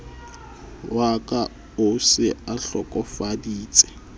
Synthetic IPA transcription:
wakʼa | ʊsɪaɬɔkʼɔfadiːt͡sʼɛ̥

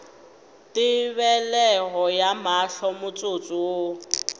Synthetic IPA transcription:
tɪβɛlɛɣɔjamaɬɔmʊt͡sʼot͡sʼuwo

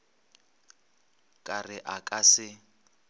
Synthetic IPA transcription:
kʼarɪʔakʼasɪ

